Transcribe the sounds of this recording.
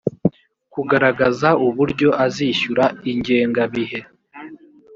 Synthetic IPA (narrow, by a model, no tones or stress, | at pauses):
kuɡaɾaɡazauβuɾɟo̞ʔaziʃuɾaiɲɟe̞ːŋɡaβiɦe̞